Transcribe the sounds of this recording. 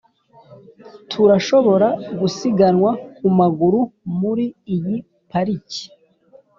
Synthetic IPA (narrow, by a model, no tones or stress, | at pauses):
tʰuɾaʃo̞βo̞ɾaɡusiɡanŋwakumaɡuɾumuɾiːji | paɾici̥